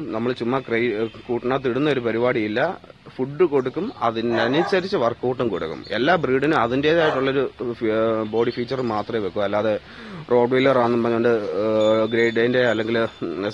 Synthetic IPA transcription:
nɐmːɐɭt͡ɕumːɐkrejkuːʈːɐɳaːt̪ːiɽunːɐoɾupɐɾibaːɽiilːɐfuɖːɨko̞ɽukːumɐðinɐnit͡ɕɐɾit͡ɕːɨʋɐrkːoːʈːumkoɽukːṵme̞̰lːaːbriːɖinuɐðinde̞ːðaːjiʈːuɭːɐo̞ɾu | bo̞ːɽifiːt͡ɕːɐrɨmaːt̪rɐmjeʋekːumɐlːaːðe | ro̞ːɖʋejlɐraːnːumpbɐrɲːɐoɳɖɨ | ɡɾejɖɖejndeɐlːe̞ŋɡil

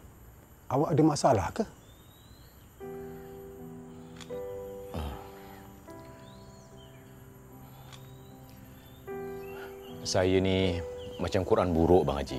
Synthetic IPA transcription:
awaʔadəmasala̰hkəh | ə | sajənimat͡ʃamkuɾʔanbuɾoʔba̰ŋa̰d͡ʒḭ

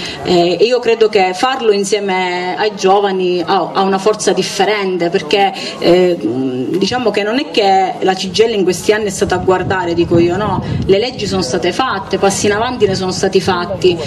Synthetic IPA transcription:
iːokɾeːd̪okefarloinsjɛːmeajd͡ʒɔːvaniaaunafɔrt̪sad̪ifːeɾɛnt̪eperk̟e | d̪it͡ʃaːmokenːonɛk̟ːelat͡ʃid͡ʒːɛlːaiŋkwest̪ianːiɛst̪aːt̪aːɡward̪aːɾed̪iːkoiːonɔlelɛd͡ʒːis̬oːnost̪aːt̪efat̪ːepasːinavant̪ines̬oːnost̪aːt̪ifat̪ːi

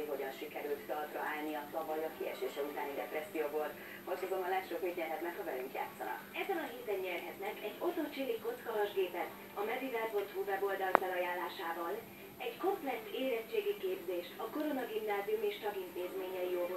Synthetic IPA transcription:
iɦo̞ɟɒnʃikɛɾylt̪d̪ɒlt̪rɒ̰ʔaːlniɒɒvɒɟɒkiɛ̰ʃeːʃɛut̪a̰ːnidɛpɾɛsːijoːvolt̪ | hocsozomɒnlɛt̪ʃokmet̪ɲɛrɦɛt̪nɛkhɒvɛ̰lyŋkja̰ːt̪sɒ̰nɒ̰kɛzɛnɒɦeːt̪ɛnːɛrɦɛt̪nɛkɛɟːo̞t̪ot͡ʃeːliko̞t̪skɒɦɒʒɡeːpɛt̪ | ɒmɛd̪id̪ɛt̪vɒchuvɛbo̞ld̪ɒlfɛlɒjaːlːaːʃaːvɒl | ɛɟko̞mplɛkseːɾɛt͡ʃːeːɡikeːbzeːʃɒko̞ɾo̞nɒɡimnaːziumeːʃt̪ɒɡint̪eːzmeːɲɛjijovo

